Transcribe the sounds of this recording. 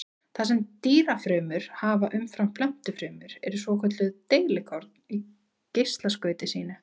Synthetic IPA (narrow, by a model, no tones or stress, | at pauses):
θasɛmt̪iːɾafɾœːmʏɾ̥haːvaʔʏmfɾamflœm̥t̪ʏfɾœːmʏɾɛɾʏsvɔːkʰœt̪lʏðt̪eːjlɪkʰɔɾt̪̚ni | cejst̪laskœːɥt̪ɪsiːnɪ